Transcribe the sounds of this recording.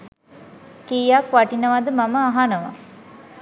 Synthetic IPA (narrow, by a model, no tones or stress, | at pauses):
kiːjakʋaʈinəʋad̪əmaməaɦanəʋa̰